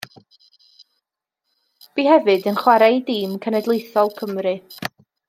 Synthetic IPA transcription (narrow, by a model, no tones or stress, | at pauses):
b̥iːɦɛvɨdənχwaɾɛjdiːmkʰənɛdlˠejθɔlˠkʰəmrɨ